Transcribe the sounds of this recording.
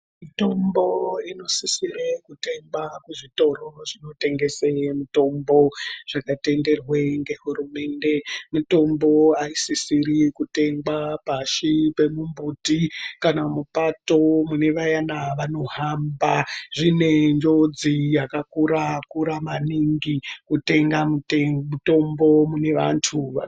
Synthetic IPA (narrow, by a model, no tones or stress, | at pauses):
mito̞mbo̞ino̞sisirekute̞mbakuʐito̞ro̞ʐino̞te̞ŋɡe̞semuto̞mbo̞ʐ̥akate̞nde̞rweŋɡe̞ɦurume̞ːnde̞muto̞mbo̞aisisirikute̞ŋɡapaʃipe̞mumbuːtikanamupato̞mune̞ʋajanaʋano̞ɦambaʐine̞ɲd͡ʒo̞d͡zijakakuɾakuɾamaniŋɡikute̞ŋɡamutemuto̞mbo̞mune̞ʋantʰuʋa̰